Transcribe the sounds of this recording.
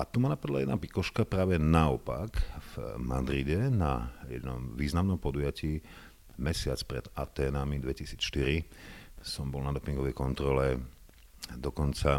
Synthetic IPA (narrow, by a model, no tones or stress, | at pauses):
at̪umanapad̪la̰jɛd̪napikɔʃkapɾaːʋɛnaɔpakv̥mad̪ɾiɟɛnajɛd̪nɔmʋiːznamnɔmpɔd̪ujaciː | mɛsɪat͡spɾɛd̪̥a̰t̪ɛːnamid̪ʋɛcisiːt͡sʃt̪iɾi | sɔmbɔlnad̪ɔpiŋɡɔʋɛjkɔnt̪ɾɔlɛ | d̪ɔkɔnt͡sa